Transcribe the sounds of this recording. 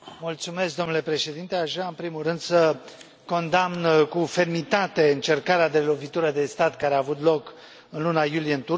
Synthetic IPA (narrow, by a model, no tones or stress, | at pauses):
mult̪sume̞skd̪onule̞pɾe̞ʃe̞d̪int̪e̞aʃaɨnpɾimulrɨnd̪sə | ko̞nd̪amnkufe̞rmit̪at̪e̞ɨnt͡ʃe̞rkaɾead̪e̞lo̞vit̪uɾəd̪e̞st̪at̪kaɾeaːvut̪lo̞k | ɨnlunajulijeɨnt̪u